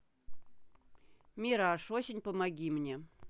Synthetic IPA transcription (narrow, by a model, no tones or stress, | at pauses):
mʲiɾaʂosʲɪnʲpəmaɡʲimnʲe